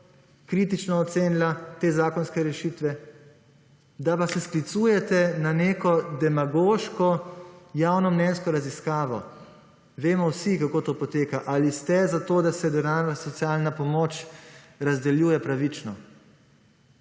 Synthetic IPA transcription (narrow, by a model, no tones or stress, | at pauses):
kɾit̪it͡ʃnɔːt̪seːnilat̪eːzaːkɔnskɛɾɛʃit̪ʋɛ | d̪apasɛsklit̪suːjɛt̪ɛnaneːkɔd̪ɛmaɡoːʃkɔjaːwnɔmnɛnskɔɾaziskaːʋɔ̰ | ʋeːmɔwsikakoːt̪oːpɔt̪eːkaʔalist̪ɛzat̪oːd̪asɛd̪ɛɾaːasɔt̪sijaːlnapɔmoːt͡ʃ | ɾazd̪ɛljuːjɛpɾaʋit͡ʃnɔ